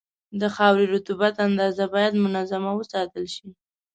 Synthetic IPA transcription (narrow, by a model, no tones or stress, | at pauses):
d̪əxɑwɾeɾʊt̪ubat̪and̪ɑzabɑjad̪mʊnazamawəsɑt̪əlʃi